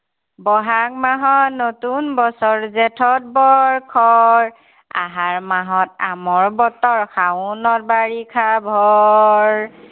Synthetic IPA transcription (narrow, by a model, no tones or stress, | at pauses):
bɔɦak̚maɦɔnotunbɔsɔɹzɛtʰɔt̚bɔɹkʰɔɹ | a̰ɦaɹmaɦɔtamɔɹbɔtɔɹkʰawnɔt̚baɹikʰabʱɔ | ɹ